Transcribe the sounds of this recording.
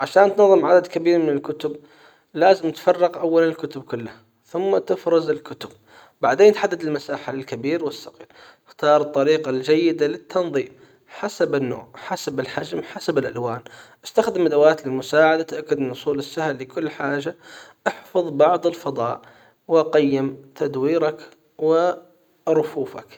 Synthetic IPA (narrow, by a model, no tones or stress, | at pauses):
ʕaʃaːnt̪nɑðˤːɨmʕad̪ad̪kabiːɾmɪnɪlkʊt̪ʊb | laːzɪmt̪fɑrˤːɑqʔawːalanɪlkʊt̪ʊb̚kʊlːha | θʊmːat̪ɪfɾɑzɪlkʊt̪ʊb̚ | baʕd̪eːnt̪ħad̪ːad̪ɪlmasaːħalkabiːɾwɪsːɑqḭːɾʔɪxt̪ɑːɾˤɨt̪ˤːɑɾiːqɑld͡ʒajːɪd̪alɪt̪ʰːɑnðˤiːf | ħasabɪnːo̰ːʕħasabɪlħad͡ʒmħasabɪlʔa̰lwaːnʔast̪axd̪ɪmad̪awaːt̪lɪlmʊsaːʕad̪at̪ʔakːad̪mɪnʔʊsˤuːlɪsːahlːɪkʊlːħaːʒaʔɪħfɑðˤbɑʕd̪ˤɪlfɑd̪ˤɑːʔ | wɪʔɑqajːɪmt̪ʰad̪wiːɾɑk | wɪ | ɾˤʊfuːfa̰k